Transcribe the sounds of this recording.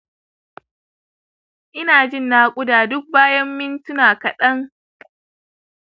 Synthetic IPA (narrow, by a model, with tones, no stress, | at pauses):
ʔɪ˦naː˨d͡ʒɪ˦˨nːaː˦kʷʼʊ˦daː˨dʊ˦k̚baː˦jɐ˦mːɪ˦ntʊ˦naː˨kɐ˨ɗɐ˦ŋ